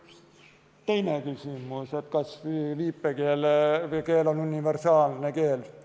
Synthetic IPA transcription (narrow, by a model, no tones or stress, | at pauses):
t̪e̞jnekysʲimuse̞t̪kɑsliːpːˑekeːlke̞ːlonunʲive̞rsɑːlneke̞ːl